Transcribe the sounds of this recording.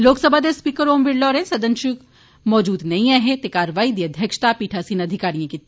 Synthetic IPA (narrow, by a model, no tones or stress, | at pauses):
loːksɐbʱad̪espiːkəɾoːmʋɪɽlɔːɾẽsɐd̪ənʃuk | mɔːd͡ʒuːd̪nɐɦĩaːɦet̪ekaːɾʋaːid̪iɐd̪ʱjɐkʃt̪apiːʈʰasinɐd̪ʱɪkaːɾijãkit̪